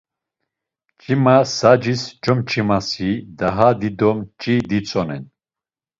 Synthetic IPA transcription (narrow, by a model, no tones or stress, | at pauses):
t͡ʃʼimasad͡ʒist͡ʃɔmt͡ʃʼimasid̪aɦad̪id̪ɔmt͡ʃʼid̪it͡sʼɔnɛn